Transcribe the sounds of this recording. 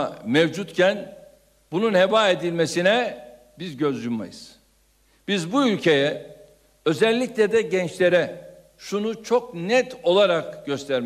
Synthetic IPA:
mevd͡ʒut̪cʰæn | bununhebaːed̪ilʲmesinɛ | bizɟø̞zd̪ynma̰jɯz̥ | b̥izbuylʲcʰe̞jɛ | ø̞zɛlʲːiclʲɛd̪ɛɟɛnt͡ʃlʲe̞ɾɛ | ʃunut͡ʃʰo̞k̚nɛt̪o̞lˠaɾakɟ̥ø̞st̪ʰæɾm

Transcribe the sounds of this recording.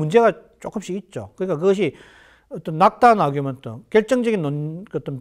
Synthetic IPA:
und͡ʑe̞ɡa | t͡ɕ͈ok͈ɯmɕ͈iit̚t͡ɕ͈o̰kɯɲik͈ak̬ɯɡʌɕ̬ʰi | ʌt͈ʌnːak̚t͈anaɡiomjʌnt͈ʌ̰kjʌɭt͡ɕ͈ʌŋd͡ʑʌɡinːonkːt͈ʌn

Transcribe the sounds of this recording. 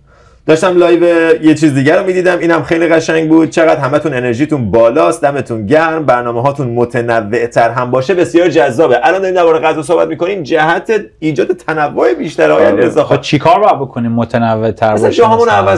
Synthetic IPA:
d̪̥ɒːʃt̪æmlɒːjvejet͡ʃʰiːzid̪iːɟæɾomiːd̪iːd̪æmiːnhæmxejliːɣæʃæɲɟbuːd̪̥̚t͡ʃʰeɣæd̪̥ɦæmæt̪ʰune̞ne̞ɾʒiːt̪ʰunbɒːlɒːst̪d̪æme̞t̪ʰunɟæɾmbæɾnɒːmeɦɒːt̪ʰunmot̪ʰenævːe̞ʔt̪ʰæɾɦæmbɒːʃebe̞sjɒːɾd͡ʒæzːɒːbeʔælɒːnd̪ɒɾimd̪æbɒːɾeɣæzɒːs̬o̞hbæ̰t̪miːko̞niːmd͡ʒæhæt̪ʰeiːd͡ʒɒːd̪e̞t̪ʰænævːoebiːʃt̪æɾɒːjæniezɒxt͡ʃʰikʰɒːɾbojæd̪̚bokʰonimːot̪ʰenævːet̪ʰæɾæsæd͡ʒɒɦɒːmunævæz

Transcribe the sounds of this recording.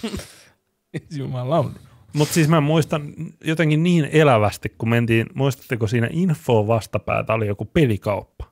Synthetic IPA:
ensiumɑːllɑuni | mut̪siːsmæmuist̪ɑnjot̪eŋkinniːnelæʋæst̪ikkumẽnt̪iːnmuist̪ɑ̥t̪ːekosiːnæ̰ʔinfːoːʋɑst̪ɑpæ̰ːt̪æolijokupelikɑupːɑ̥

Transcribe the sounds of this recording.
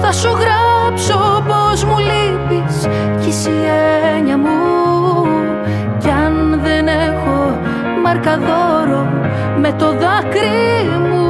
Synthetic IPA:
θɐsuɣɾɐpsopo̞zmuli | pis | cisieɲɐmu | cɐnðenexo̞ | mɐɾkɐðo̞ɾo | me̞t̪o̞ðɐkɾi | mu

